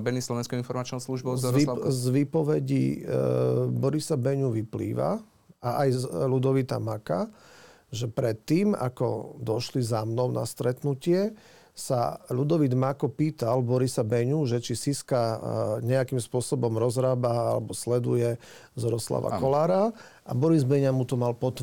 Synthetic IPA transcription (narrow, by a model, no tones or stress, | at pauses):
bɛnislɔʋɛnskɔʊinfɔɾmat͡ʃnɔsluʒbɔzzʋiːpɔʋɛɟḭ | bɔɾisabɛɲuʋiplḭːʋa̰ | aʔajlud̪ɔʋit̪a̰maka | ʒɛpɾɛt̪ːiːma̰kɔ̰d̪ɔʃlizamnɔʊna̰st̪ɾɛt̪nucɪɛ | sa̰lud̪ɔʋid̪makɔpiːt̪albɔɾisabɛɲuʒɛt͡ʃisiskaɲɛakimspʊɔsɔbɔmɾɔzɾaːbaalɛ̰bɔslɛd̪ṵjɛzɔɾɔsla̰ʋa̰kkɔlaːɾa | ʔabɔɾizbɛɲamut̪ɔmalpɔt̪